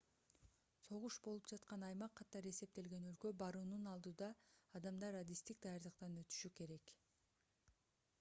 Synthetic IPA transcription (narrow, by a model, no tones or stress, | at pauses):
so̞ʁuʃbo̞lˠupd͡ʒɑt̪qɑnɑjmɑqʰːɑt̪ɑɾe̞se̞p̚t̪e̞lɡe̞nø̞lkø̞bɑɾuːnunɑlˠd̪uːd̪ɑːd̪ɑmd̪ɑɾad̪ist̪ik̚d̪ɑjɑɾd̪ɯqt̪ɑnøt̪y̥ʃyke̞ɾe̞k